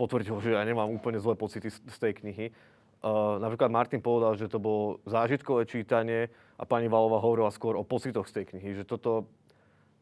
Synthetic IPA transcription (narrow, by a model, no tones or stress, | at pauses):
pɔt̪ʋr̩ɟilʒɛjaɲɛmaːmuːpl̩ɲɛzlɛːpɔt͡sit̪ist̪ɛjkɲiɦi | napɾiklad̪̚maɾt̪inpɔʋɛd̪alʒɛt̪ɔbɔlɔzaːʒit̪kɔʋɛːt͡ʃiːt̪aɲɪɛ | ʔa̰paɲiʋalɔʋaɦɔʋɔɾilaskʊɔɾɔpɔt͡sit̪ɔxst̪ɛjkɲiɦiʒɛt̪ɔt̪ɔ